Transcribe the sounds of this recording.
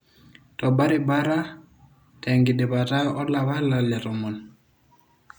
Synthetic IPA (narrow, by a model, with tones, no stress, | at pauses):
tɔ˨ba˦ɾi˦ba˦ɾa˦ | tɛ˨ŋɡi˨dɛ˨ba˨ta˦ɔ˦la˨βa˦la˨lja˨tɔ˨mɔ˨n